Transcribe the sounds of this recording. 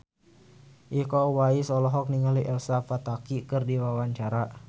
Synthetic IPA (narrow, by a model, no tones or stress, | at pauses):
ʔihkɔwaisɔlɔɦɔk̚niŋaliʔɛlsafat̪akikɨrdiwawaɲt͡ʃaɾa